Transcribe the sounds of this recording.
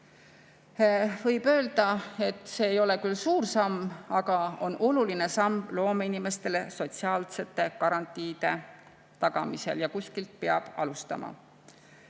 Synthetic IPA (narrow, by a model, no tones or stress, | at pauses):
vɤ̞jb̥ø̞ːld̪ɑe̞t̪ːˑseːjo̞le̞kylsuːrsɑmːɑɡ̥ɑo̞nʔo̞luline̞sɑmblo̞ːmeinime̞st̪e̞le̞so̞t̪siɑːlse̞t̪ːˑe̞kɑɾɑnt̪ːˑiːd̪̥e̞ | t̪ɑɡ̥ɑmise̞̰ljɑkusʲkilt̪̚peɑb̥ɑ̰lust̪ɑ̰mɑ̰